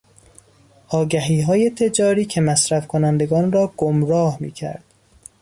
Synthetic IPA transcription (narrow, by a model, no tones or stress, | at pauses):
ʔɒːɡæɦiːɦɒːje̞t̪ʰe̞d͡ʒɒːɾiːcʰe̞mæsɾæfkʰonænd̪e̞ɡɒːnrɒːɡ̥omɾɒːhmḭːcʰæ̰ɾd̪̥